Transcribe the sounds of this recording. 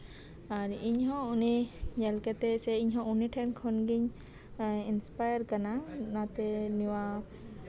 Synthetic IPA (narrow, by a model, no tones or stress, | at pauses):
aɾiɲɦɔ̃uniɲɛlkɛt̪ɛsɛiɲɦɔ̃uniʈʰɛnkʰɔnɡiɲ | inspajəɾkananat̪ɛniwa